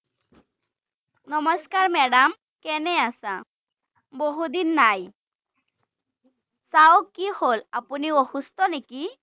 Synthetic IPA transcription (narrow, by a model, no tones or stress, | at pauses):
nɔmɔskaɹmɛɽam | kɛnɛasa | boɦud̪inːaj | sawkiholapuniohust̪ɔneki